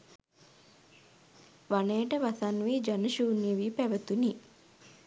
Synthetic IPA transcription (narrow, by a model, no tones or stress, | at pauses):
ʋanejəʈəʋasanʋiːd͡ʒanəʃuːniəʋiːpæʋət̪uni